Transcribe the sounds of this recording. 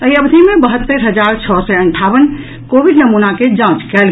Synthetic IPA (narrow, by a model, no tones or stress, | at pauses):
əiəbd̪ʱimebəɦət̪ːəɾɦəd͡ʒaɾt͡ʃʰɔsɛəɳʈʰaʋən | kobiɖnəmunaked͡ʒãt͡ʃkɛl